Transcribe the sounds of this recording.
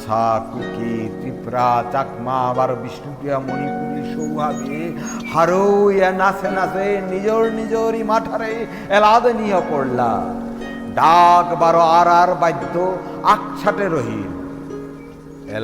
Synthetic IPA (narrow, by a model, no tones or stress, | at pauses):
sʰakukiʈɾipɾat͡ɕakmabaɾbiʃʈuʈijamonipuliʃowɦat̪ie | haɾojanasʰenasenid͡ʑoɾnid͡ʑoɾimaʈʰaɾej | ɛlad̪enijɔpɔɽla̰ | ɖakbaɾɔaɾaɾbajd̪ʱːoak̚t͡ʃʰaʈeɾɔɦḭl | ɛ̰l